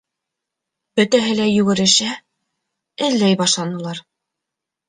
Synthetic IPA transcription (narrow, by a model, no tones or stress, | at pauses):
b̥ɵ̆t̪æɦɘlæjʉɡɘ̆ɾɘ̆ʃæ | ɘ̆ðːæjbɑʃlˠɑnɤ̆lˠɑɾ